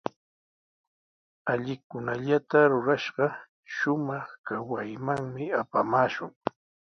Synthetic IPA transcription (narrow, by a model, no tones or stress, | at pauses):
aʎɪkʊnaʎat̪aɾʊɾaʃɢɑ | ʃʊmɑχkawajmaŋmɪapamaːʃʊŋ